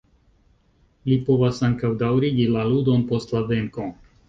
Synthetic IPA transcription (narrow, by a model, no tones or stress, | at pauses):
lipo̞vasaŋkawdawɾiɡilaludo̞npo̞stlave̞ŋko̞